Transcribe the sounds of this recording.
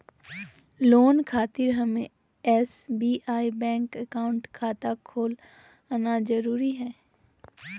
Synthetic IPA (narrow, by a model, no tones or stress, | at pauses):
loːnkʰaːt̪ɪɾɦɐmẽ | ɛsbiːʔaːibɛ̃ːŋkəkaːʊ̃ɳʈkʰaːt̪akʰoːl | nad͡ʒɐɾuːɾiɦɛː